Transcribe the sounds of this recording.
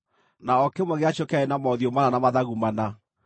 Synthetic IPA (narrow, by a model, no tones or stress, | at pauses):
naɔkemwɛɣeaʃokaenamɔðiomananamaðaɣumana